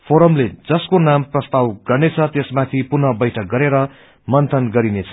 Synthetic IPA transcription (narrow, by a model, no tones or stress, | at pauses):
pʰoɾʌmled͡zʌskonamprʌst̪awɡʌrnet͡sʰʌt̪esmat̪ʰipunʌbʌjʈʰʌk̚ɡʌɾeɾʌ | mʌnt̪ʰʌnɡʌɾinet͡sʰʌ